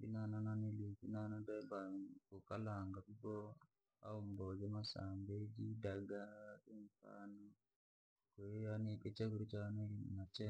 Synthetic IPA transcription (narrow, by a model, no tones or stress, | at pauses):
binanananilukinanadɛbakokalaŋɡabubɔ | a̰umbɔd͡ʒemasa̰mbed͡ʒidaɡaimfa̰nɔ | kojaniɗet͡ʃaɡuɾd͡ʒanainnat͡ʃɛ